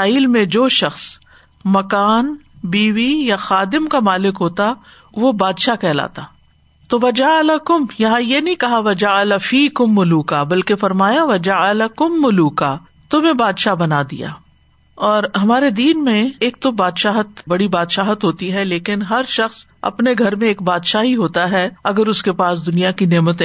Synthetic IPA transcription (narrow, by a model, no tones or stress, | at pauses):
aːiːlmẽd͡ʒoːʃɐxs | mɐkaːnbiːʋijaxaːd̪ɪmkamaːlɪkɦoːt̪a | ʋobaːd̪ʃakɛːla̰ːt̪aː | t̪oʋɐd͡ʒaɐlɐkʊmjɐɦãjenɐɦĩkɐɦaʋɐd͡ʒaɐlɐfiːkʊmːʊluːkabɐlkefɐɾmaːjaʋɐd͡ʒɐɐlɐkʊmːʊluːkaː | t̪ʊmɦẽbaːd̪ʃabɐnad̪ḭja̰ː | ɔːɾɦɐmaːɾed̪iːnmẽeːk̚t̪obaːd̪ʃaːɦət̪bɐɽibaːd̪ʃaːɦət̪ɦoːt̪iɦɛleːkɪnɦɐɾʃɐxsɐ̰pneɡʱɐɾmẽeːk̚baːd̪ʃaɦiɦoːt̪aɦɛɐɡəɾʊskepaːsd̪ʊnijakineːmət̪ẽ